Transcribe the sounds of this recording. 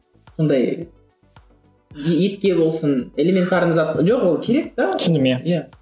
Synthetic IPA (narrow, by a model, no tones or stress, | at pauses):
so̞nd̪ɑj | et̪kʲe̞bo̞lˠsəne̞lʲemʲe̞nt̪ɑɾnəzɑt̪ːʒo̞qwolˠkʲʰe̞ɾe̞k̚d̪ɑsɪnd̪ɪmeja